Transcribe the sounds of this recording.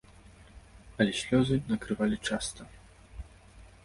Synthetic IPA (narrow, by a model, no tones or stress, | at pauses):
ɐlʲɛsʲlʲɔzɨnɐkɾɨvalʲit͡ʂast̪ɐ